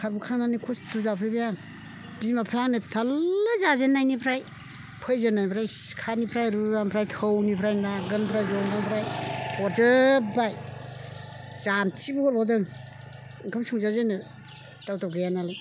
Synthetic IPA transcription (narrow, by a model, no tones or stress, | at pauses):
kʰaɾbukʰananikʰostuzapʰɯjbajaŋ | b̥izmapʰajaŋnɯtʰalːɯzazenːajnipʰɾaj | pʰɔjzenajpʰɾajkʰanipʰɾajɾuzampʰɾajtʰɯwnipʰɾajnaɡɯnpʰɾajzɔŋɡaŋpʰɾajɔɾzɯbaj | zant͡ʃibuɔɾbawdɯŋ | ŋkʰɯmsʰuŋzazenɯ | tawtawɡajanalɯj